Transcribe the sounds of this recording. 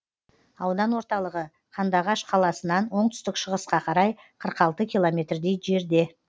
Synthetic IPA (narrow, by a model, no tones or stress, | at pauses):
ɑwd̪ɑnwo̞ɾt̪ɑlˠəʁə | qʰɑnd̪ɑʁɑʃqʰɑlˠɑsənɑnwo̞ɴt̪ʰʏ̥st̪ɪkʃəʁəsqɑqʰɑɾɑj | qʰəɾqɑlˠt̪əkʲʰilˠomʲe̞t̪rd̪e̞jʒe̞ɾd̪e̞